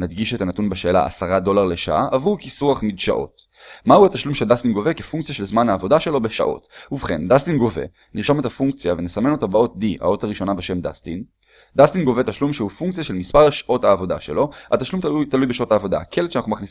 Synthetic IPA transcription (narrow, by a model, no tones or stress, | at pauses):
nad̪ɡiʃetanatunbeʃeːla̰ʔa̰saʁado̞laʁle̞ʃa̰ʔa̰ʔːvukisuaχmidʃa̰ʔo̞̰t | mauat̪aʃlumʃeldast̪inɡo̞vekefuŋkt͡sijaʃelzmanhaːvo̞daʃe̞lo̞be̞ʃa̰ʔo̞̰tuvχe̞̰nd̪astinɡo̞ve̞̰ | niʁʃame̞t̪afuŋk̚t͡sijavenesame̞no̞t̪abao̞t̚diʔa̰o̞taʁiʃo̞nabeʃe̞mda̰stin | d̪astinɡo̞ve̞t̪aʃlumʃeufuŋkt͡sijaʃe̞lmispaʁeʃʔo̞thaːvo̞da̰ʃe̞̰lo̞ataʃlumtut̪alujbeʃo̞taːvo̞da̰kʰeletʃeanaχnumaχnis